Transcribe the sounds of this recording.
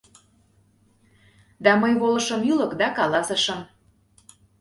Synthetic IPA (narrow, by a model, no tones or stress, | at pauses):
d̪ɑməjβolɤ̆ʃə̆mylɤ̆kd̪ɑkɑlɑsə̆ʃə̆m